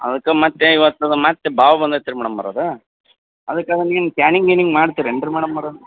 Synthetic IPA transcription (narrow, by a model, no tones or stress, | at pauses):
ɐ̰ðɐkːɐmɐt̪ːeiʋɐt̪ːɐd̪ɯmɐt̪ːebaːʋɐbɐnd̪ɐt̪ːiɾɯmɐɽɐmːa̰ːɾoːðɯ | ɐðɐkːaːd̪ɐniːnkjaːniŋɡeniŋɡmaːɽt̪ːiːɾeɳɖɾɯmɐːɽɐmːaːɾoðɯ